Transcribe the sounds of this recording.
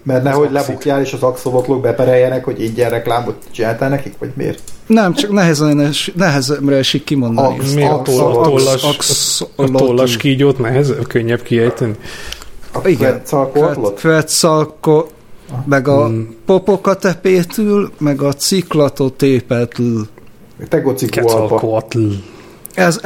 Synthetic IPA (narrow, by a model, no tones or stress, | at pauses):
mɛrnɛɦo̞ɟlɛbukjaːleːʃɒzɒksolot̪loɡ̚bɛpɛɾɛjːɛnɛkhoɟeːɲɟɛrɛklaːmot̪t͡ʃinaːlt̪ɛlnɛkikʋɒ̰ɟmḛːrnɛmt͡ʃɒknɛɦɛzɛnnɛʃnɛɦɛzɛmrɛɛʃikkːimo̞nd̪ɒnḭmet̪ooɒksoloolːɒʃkiːɟoːt̪nɛɦɛzɛkøɲːɛbkiɛjt̪ɛni | iɡɛsɒlkoɛlot̪ʋɛt̪sɒlko | mɛɡɒpopokɒt̪ɛpeːt̪ylmɛɡɒt̪siklɒt̪ot̪eːpɛlt̪yːl | mɛt̪ɛɡot̪sikɛɔkot̪ | ɛz